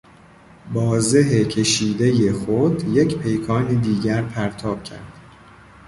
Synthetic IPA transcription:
bɒːze̞ɦecʰe̞ʃiːd̪e̞je̞xod̪je̞cʰpʰe̞jkʰɒːniːd̪iːɟæɾpʰæɾt̪ʰɒːb̥̚cʰæ̰ɾd̪̥

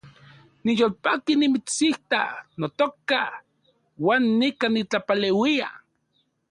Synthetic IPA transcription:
nijoːlpakinimit͡siht̪a̰not̪oka | waːnːikanit͡ɬapalewia̰

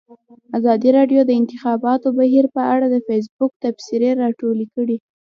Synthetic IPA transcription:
azɑd̪iɾɑɖjod̪əɪnt̪ɪxɑbɑt̪obaɦiɾpəaɽad̪əfes̬bʊk̚t̪afsiɾeɾɑʈolikəɽi

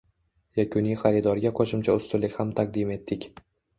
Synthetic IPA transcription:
jakʰʲʊnijχaɾid̪ɒɾɡʲaqʰoʃɪmt͡ʃʰaʊst̪ʊlːɪkʲhamt̪ʰaq̚d̪ɪme̞t̪ːɪkʲ

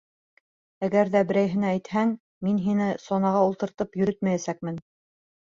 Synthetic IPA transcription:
æɡæɾðæbɘ̆ɾæjɦɘ̆næːjt̪hæŋ | minɦinɘsonɑʁɑulˠt̪ɤ̆ɾt̪ɤpjɵ̆ɾɵt̪mæjæsæk̚mɘn

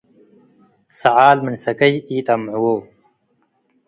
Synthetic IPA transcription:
sɐʕaːlminsɐkɐjiːt̪ɐmʕuwoː

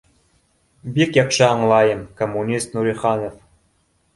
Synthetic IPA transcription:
bikjɑqʃɤɑɴlˠɑjɤmkomːunʲist̪nuɾʲiχɑnof

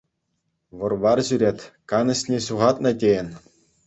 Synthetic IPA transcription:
ʋɤ̆rʋɑrʑyɾʲetʲkɑnɤ̆ɕʲnʲeɕuʁɑt̪nɤ̆tʲejɘ̆nʲ

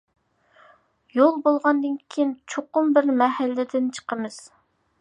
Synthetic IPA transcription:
jolˠbolˠʁɑnd̪ɨnkʲʰijint͡ʃʰoqʊmbɪɾmɛɦælːɪd̪ɪnt͡ʃʰə̥qəmɨz̥

